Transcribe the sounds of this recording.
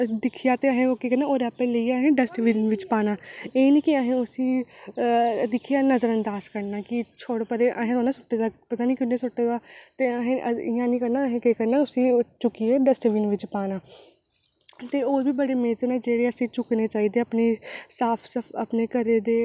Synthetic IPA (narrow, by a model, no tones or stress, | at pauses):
d̪ɪkʰijaːt̪eəɦẽːoːkiːkəɾnãːoːɾɛːpeləiːəɦẽːɖəsʈʋiːnʋɪt͡ʃpaːnaːeːnĩːkɪəɦẽːʊsĩː | d̪ɪkʰijaːnəzəɾənd̪aːzkəɾnaːkɪt͡ʃʰoːɽpəɾeːʔəɦẽːt̪oːnaːsʊʈːeːd̪aːpət̪aːnĩːkʊnːẽːsʊʈːeːd̪aːt̪eːəɦẽəɪãːnĩːkəɾnaːəɦẽːkiːkəɾnaːʊsĩːt͡ʃʊkieːɖəsʈʋiːnʋɪt͡ʃpaːnaː | t̪eːoːbiːbəɽeːmeːzenãːd͡ʒeːɾeːəsĩːt͡ʃʊkneːt͡ʃaːiːd̪eːəpneːsaːpʰsəəpneːkəɾeːd̪eː